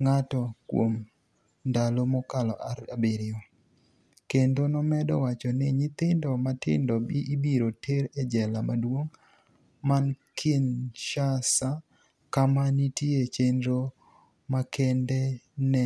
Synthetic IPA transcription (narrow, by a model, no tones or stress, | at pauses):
ŋatɔkwo̰m | ndalomɔkalɔʔaabeɾɪɔ | kendonɔmɛdɔ̰wat͡ʃɔnɪɲɪt̪ɪndɔmatɪ̰ndɔbiʔibiɾoteɾɛd͡ʒɛlamadwoŋ | mankʰɪnʃasa | kamanitjiet͡ʃendɾo | makʰɛndɛnɛ